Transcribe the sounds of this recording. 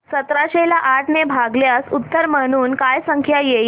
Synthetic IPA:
sət̪ɾaɕelaʔaʈnebʱaɡljasut̪ːəɾm̤əɽ̃uːnkajsəŋkʰjajei

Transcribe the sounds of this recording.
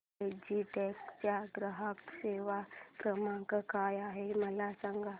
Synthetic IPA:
ed͡ʒiʈeːkt͡ʃaɡɾəɦəkseːʋakɾəmãkakaːjaɦemɐlasə̃ŋɡa

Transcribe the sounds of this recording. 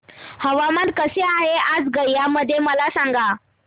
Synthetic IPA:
həʋamat̪kəseaɦead͡zɡəjːaməd̪ʱːjeməlasaŋɡa

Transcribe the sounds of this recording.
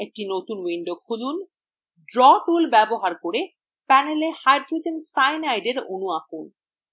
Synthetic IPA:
ek̚ʈinot̪unwiɳɖokʰulun | ɖɾɔʈulbɛboɦaɾkoɾe | pɛnelehajɖɾud͡ʑensajnajɖeɾo̰nuakun

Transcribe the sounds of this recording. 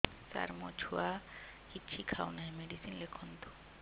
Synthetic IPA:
sa̰ɾmot͡ɕʰua | kit͡ɕʰikʰawnaemeɖisinlekʰont̪o̥

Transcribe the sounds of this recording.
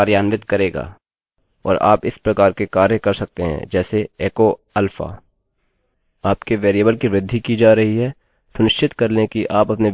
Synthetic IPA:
ɾjaːnʋɪt̪kɐɾeːɡa̰ː | ɔ̰ːɾa̰ːpɪspɾɐkaːɾkekaːɾjəkɐɾsɐk̚t̪eɦɛ̰̃d͡ʒɛːseeːko | ɐlfa̰ː | aːpkeʋeːɾijəːbəlkiʋɾɪd̪ʱːikid͡ʒaːɾɐɦiɦɛː | sʊnɪʃt͡ʃɪt̪kɐɾlẽkiʔaːpɐpne

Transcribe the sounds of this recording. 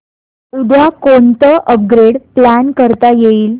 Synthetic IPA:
ud̪ʱjakont̪əʔəp̚ɡɾeɽplænkəɾt̪ajeiːl

